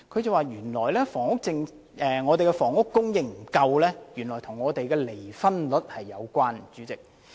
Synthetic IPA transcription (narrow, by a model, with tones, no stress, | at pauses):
kʰɵ˨˧ɥt͡sɐ˨waː˨jyː˨˩nlɔː˨˩jlɛː˥fɔː˨˩ŋʊ˥k̚t͡sɪ˧ŋ | ʔɛː˨ŋɔː˨˧e˨kɛ˧fɔː˨˩ŋʊ˥kːʊ˥ŋjɪ˨˧ŋm̩˨˩kɐ˧wlɛː˥jyː˨˩nlɔː˨˩jt̪ʰʊ˨˩ŋːɔː˨˧t̪e˨jkɛː˧le˨˩jfɐ˥nlɵ˨˥t̚hɐ˨jːɐ˨˧wkʷaː˥nt͡ʃyː˨˥t͡sɪ˨k̚